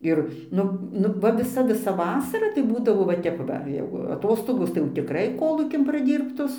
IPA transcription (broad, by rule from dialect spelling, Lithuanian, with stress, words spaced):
ˈɪr ˈnʊ ˈnʊ ʋɐ ʋʲɪˈsɐ ʋʲɪˈsɐ ˈʋɑːsɐrɐ tɐɪ ˈbuːdɐʋoː ʋɐ ˈtʲɛp ʋɐ jɛɪɡʊ ɐˈtoːstoːɡoːs tɐɪ jɛʊ tʲɪkˈrɐɪ ˈkoːlˠuːkʲɪn prɐˈdʲiːrptoːs